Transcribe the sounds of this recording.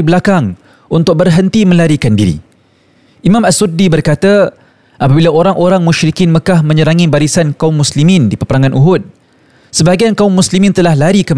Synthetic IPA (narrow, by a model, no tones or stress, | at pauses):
bəlakaŋ | unt̪ʊk̚bərɦənt̪imə̃laɾikandiɾḭ | ʔimãmasudibərkat̪a | ʔapabilaoɾaŋʔoɾaŋmũʃɾikɪnməkahmə̃ɲəɾaŋibaɾisankaʊmːuslimĩndipəpəɾaŋanʔuɦʊt̪̚ | səbaɡiankaumːuslimĩnt̪əlahlaɾikəm